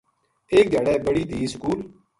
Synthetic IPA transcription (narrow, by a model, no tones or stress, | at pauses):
eːk̚ɡʱəɽɛːbəɽiːd̪ʱiːskuːl